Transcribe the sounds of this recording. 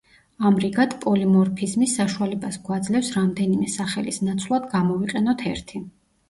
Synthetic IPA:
amɾiɡat̪ʰpʼɔlimɔɾpʰizmisːaʃualɛbasɡwad̪zlɛfsɾamd̪ɛnimɛsaχɛlisnat̪sʰvlˠad̪ɡamɔviqʼɛnɔt̪ʰɛɾt̪ʰi

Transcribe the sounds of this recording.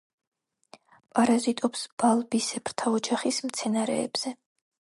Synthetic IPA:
pʼaɾazit̪ʼɔpsb̥alˠbisɛpʰɾt̪ʰaɔd͡ʒaχismt̪sʰɛnaɾɛ̰ːb̥z̥ɛ

